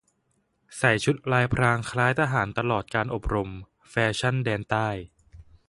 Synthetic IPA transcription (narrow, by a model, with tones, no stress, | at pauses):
sa˨˩jt͡ɕʰu˦˥t̪̚laː˧jpʰɾaː˧ŋkʰɾaː˦˥jt̪ʰaː˧ɦaː˩˦nt̪a˧lɔː˨˩t̪̚kaː˧nʔo˨˩p̚ɾo˧m | fɛː˧t͡ɕʰa˥˩ndɛː˧nt̪aː˥˩j